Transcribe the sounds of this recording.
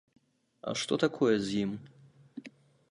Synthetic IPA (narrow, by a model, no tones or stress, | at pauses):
ɐ̰ʂt̪ɔt̪akʰɔjɛzʲjim